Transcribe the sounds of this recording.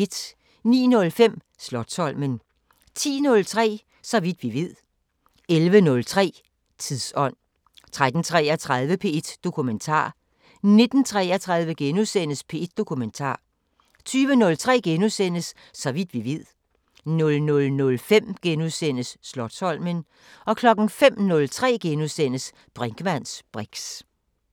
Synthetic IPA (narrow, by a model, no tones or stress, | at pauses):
ed̥ | nḭːnɔ̽lfem̰ | slɒ̽d̥sɒ̽l̰mən | t͡sʰḭːnɔ̽lt͡sʰʁɛ̰ː | sɒ̽ʋid̥ʋiʋið̰ˠ | elʋənɔ̽lt͡sʰʁɛ̰ː | t͡sʰiðˠsɒ̽n̰ | t͡sʰʁad̥n̩t͡sʰʁɛɐt͡sʰʁað̞ˠʋəpʰe̝ed̥d̥o̝kʰument͡sʰɑ̰̈ː | ne̝d̥n̩t͡sʰʁɛɐt͡sʰʁäðˠʋəɡ̥enusen̰əspʰe̝e̝d̥̚d̥o̝kʰument͡sʰɑ̰̈ː | t͡sʰyːʋənɔ̽lt͡sʰʁɛ̰ːɡ̥enusen̰əsː | ɒ̽ʋid̥ʋiʋið̰ˠ | nɔ̽lnɔ̽lnɔ̽lfem̰ɡ̥enusen̰əsːlɒ̽d̥sɒ̽l̰mən | ɒ̽kʰlɒ̽ɡ̥n̩fem̰nɔ̽lt͡sʰʁɛ̰ːɡ̥enusen̰əs | b̥ʁeŋɡ̥əmæn̰sb̥ʁeɡ̥s